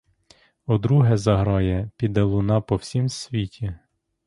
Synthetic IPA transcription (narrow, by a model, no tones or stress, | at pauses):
ɔd̪ɾuɦɛzɐɦɾɑjɛpʲid̪ɛlˠʊnɑpɔwsʲimsʲʋʲitʲi